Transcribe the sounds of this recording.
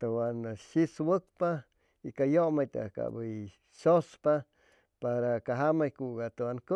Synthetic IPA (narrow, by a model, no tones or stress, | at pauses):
t̪owanaʃiswək̚pa | ikajomajt̪a̰ka̰bəj | ʃospa | paɾakaɦamajkuɡat̪owanko